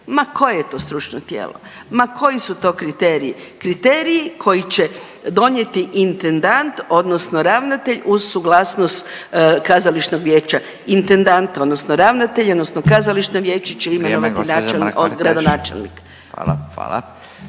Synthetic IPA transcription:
makʰo̞jejet̪o̞ːst̪ɾut͡ʃnot̪jḛːlˠo̰ | makʰo̞jisut̪o̞ːkɾit̪eːɾii | kɾit̪eːɾijikʰo̞jit͡ɕe | d̪o̞ɲje̞t̪iʔint̪end̪ant̪o̞d̪nosno̞ɾaʋnat̪eʎuzsuɡlˠasnost̪kazaliʃnoɡʋjeːt͡ʃa | int̪end̪ant̪o̞d̪nosnoɾaʋnat̪e̞ʎod̪nosnokazaliʃnoʋje̞ːt͡ʃet͡ʃeimenoʋat̪inaelnoɡɾad̪onaːt͡ʃḛlnḭkː | a̰

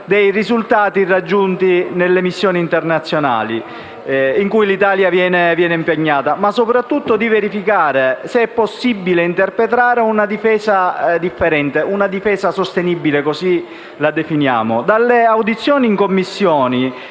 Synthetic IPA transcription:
d̪ɛjrizult̪aːt̪irad͡ʒːunt̪inelːemisːjɔːniːnt̪ernat̪sːjona̰ːli | iŋkujlit̪aːljavjɛːnevjɛːneimpeɲːaːt̪amasːopɾat̪ːut̪ːod̪iveɾifikaːɾeseɛpːosːibːileint̪erpɾet̪̬ɾaːɾeunad̪ifɛːzad̪ifːeɾɛnt̪eʔunad̪ifɛːsasost̪enibilekosi | lad̪efinja̰ːmod̪alːeawd̪it̪sːjɔːniiŋkomːisːjɔːni

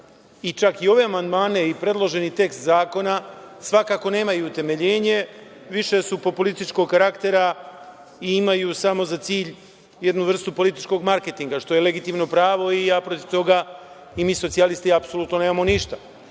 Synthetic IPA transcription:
it͡ʃakio̞ʋe̞amand̪maːne̞ipɾe̞d̪lˠo̞ʒe̞nit̪e̞kst̪zaːko̞nasʋakako̞ne̞ːmajuːt̪e̞me̞ʎe̞ːɲe̞ʋiʃe̞supopolist̪it͡ʃko̞ɡkaɾakt̪e̞ɾa | iimajusamo̞zat̪siːʎ | je̞d̪nuʋr̩st̪upo̞lit̪i̥t͡ʃko̞ɡmaɾke̞t̪iŋɡaʃt̪o̞jele̞ɡit̪imno̞pɾaːʋo̞iapɾo̞t̪iʋt̪o̞ɡa | imiːsotsialist̪iapso̞lˠuːt̪no̞neːmamo̞niʃt̪a

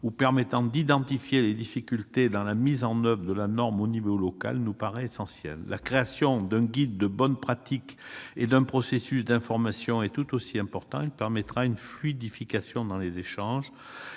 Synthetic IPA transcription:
upɛʁmɛt̪ɑ̃d̪id̪ɑ̃t̪ifjeled̪ifikʲylt̪ed̪ɑ̃lamizɑ̃nœvʁəd̪əlanɔʁmonivolɔka̰lnupaʁɛesɑ̃sjɛ̰lːakχeasjɔ̃d̪ɛ̃ɡʲid̪ːəbɔnpχat̪iked̪ɛ̃pχɔsesysd̪ɛ̃fɔʁmasjɔ̃ɛt̪ut̪osiɛ̃pɔʁt̪ɑ̃ilpɛʁmɛt̪ʁaynflyd̪ifikasjɔ̃d̪ɑ̃lezeʃɑ̃ʒ

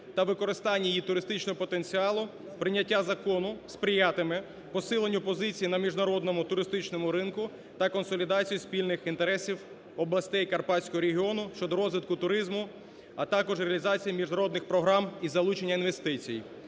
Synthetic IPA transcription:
t̪ɐʋɪkɔɾɪst̪ɑnʲːɐjit̪ʊɾɪst̪ɪt͡ʃnɔɦɔpɔt̪e̞nʲt͡sʲiɑlˠʊ | pɾɪnʲːɐtʲːazɐkɔnʊspɾʲijɑt̪ɪmɪ | pɔsɪlˠenʲːʊpɔzɪt͡sʲijinɐmʲiʒnɐɾɔd̪nɔmʊt̪ʊɾɪst̪ɪt͡ʃnɔmʊɾɪnkʊ | t̪ɐkɔnsɔlʲid̪ɑt͡sʲijuspʲilʲnɪxint̪eɾɛsʲiw | ɔblˠɐsʲt̪ɛjkɐrpɑsʲkɔɦɔɾeɦʲiɔnʊʃt͡ʃɔd̪ɔɾɔzʋʲɪt̪̚kʊt̪ʊɾɪzmʊ | ɐt̪ɑkɔʒɾeɐlʲizɑt͡sʲijimʲiʒnɐɾɔd̪nɪxpɾɔɦɾɑmizɐlˠut͡ʃenʲːɐinʋest̪ɪt͡sʲij

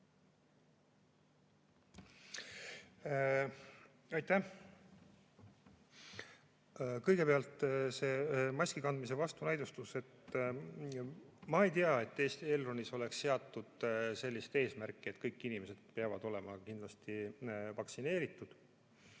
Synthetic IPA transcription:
ɑjt̪æh | kɤjɡ̥e̞peɑlt̪ːˑse̞ːmɑsʲkikɑnd̪mise̞vɑst̪unæjd̪ust̪use̞t̪ | mɑejt̪iɑe̞t̪ːe̞ːst̪ie̞lroniso̞le̞ksːe̞ɑt̪ːud̪̥se̞lʲːist̪e̞ːsmæɾkːˑie̞t̪ːkɤjkːinime̞se̞d̪̥̚peɑvɑd̪̥o̞le̞mɑkind̪lɑst̪ivɑksine̞ːɾit̪ːˑud̪̥

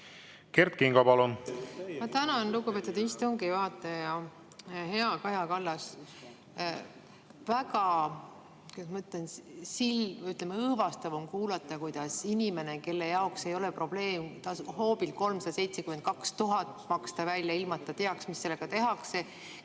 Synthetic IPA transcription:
kert̪̚kiŋɡɑpɑlunmɑt̪ænɑnluɡupe̞t̪ud̪ist̪oŋɡiɑɑt̪ːˑɑjɑ | he̞ɑkɑjɑkɑlːɑs | væɡɑ | kesmɤt̪ːˑensilyt̪ˑlemːeɤːvɑst̪ɑvo̞mkuːlɑt̪ːˑɑkujd̪̥ɑsinʲime̞ne̞ke̞lːe̞jɑokse̞jo̞le̞pro̞b̥le̞ːmt̪ɑsho̞ːbilko̞lmsɑd̪̥ɑse̞jt̪se̞kymed̪̚kɑkst̪uɦɑt̪ːˑmɑkst̪ɑvælʲjɑilmɑt̪ːˑɑt̪e̞ɑksmisːe̞lːe̞ɡ̥ɑt̪e̞ɦɑkse̞

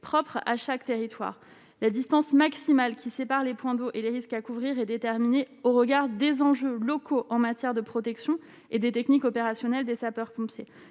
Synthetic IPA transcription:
pχɔpχa̰ʃakt̪eʁit̪wa̰ːʁ | lad̪ist̪ɑ̃smaksimalkʲisepaʁlepwɛ̃d̪oʔeleʁiskakuvʁiʁɛd̪et̪ɛʁmineoʁəɡaʁd̪ezɑ̃ʒølɔkʰoʔɑ̃mat̪jɛʁd̪əpχɔt̪ɛksjɔ̃ | ed̪et̪ɛknikɔpeʁasjɔnɛld̪esapœʁpɔ̃pse

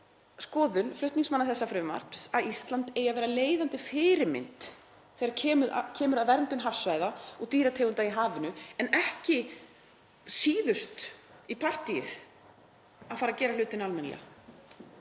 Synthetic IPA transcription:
skɔːðʏnflʏht̪niŋsmanːaθɛsːafɾʏma̰r̥psaðist̪lant̪eːjavɛːɾaleːjðant̪ɪfɪːɾɪɾmɪ̰nt̪ | θeɣaɾcʰɛːmʏðcʰɛːmʏɾaðvɛɾnt̪ʏnɦafsvajðaɔɣt̪iːɾat̪ʰeːwɣʏnt̪aiɦaːvɪnʏɛnɛhcɪ | siːðʏst̪ipʰar̥t̪ijɪθ | aðfaːɾacɛːɾalʏːt̪ɪnalmɛnlɛ̰ɣa

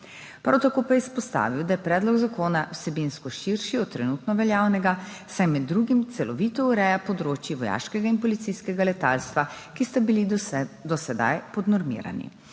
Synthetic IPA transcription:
pɾa̰wt̪akoːpajɛispɔst̪a̰ːʋiwd̪ajɛpɾɛːd̪lɔɡzakoːnawsɛbinskɔʃiɾʃiɔt̪ːɾɛnut̪nɔʋɛljaːwnɛɡasajmɛd̪ːɾuɡimt̪sɛlɔʋiːt̪ɔuɾɛjapɔd̪ɾoːt͡ʃjiʋɔja̰ːʃkɛɡainpɔlit̪siskɛɡalɛt̪a̰lst̪ʋakist̪abilid̪ɔsɛd̪a̰jpɔd̪nɔɾmḭːɾa̰nḭ

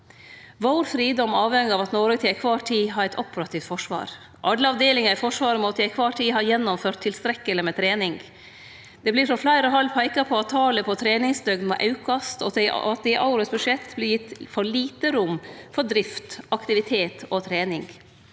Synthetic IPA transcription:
ʋoːɾfɾiːd̪ɔmːɑːʋhɛŋɪɑːʋɑt̪noːɾət̪ʰɪæɪkʰʋɑːʈʰiːɦɑːɾæɪt̪ʰɔpəɾɑt̪ʰɪft̪fɔʂʋɑ̰ːɾ | ʔɑɖ̪ləɑʋd̪eːlɪŋɑɪfɔʂʋɑːɾəmɔt̪æɪkʰʋɑːʈʰiːɦɑːjɛnːɔmføːɾt̪ʰːɪlst̪ɾɛkːələmɛt̪ʰɾeːnɪŋ | d̪̥ɛbliːɾfɾɔflæɪɾɔɦɑlːpʰæɪkɑpʰɔɑt̪ʰːɑːləpʰɔt̪ʰɾeːnɪŋsd̪œɡd̪mɛ̰ʔɑʉkɑst̪ɔ̰ɑt̪̚d̪ɛɪʔɑʊɾəsbʉʂɛt̪ːblɪɾjɪt̪ːfɔɭiːt̪əɾʊmːfɔɖɾɪft̪ɑkt̪ɪʋɪt̪ʰeːt̪ot̪ʰɾeːnɪŋɡ

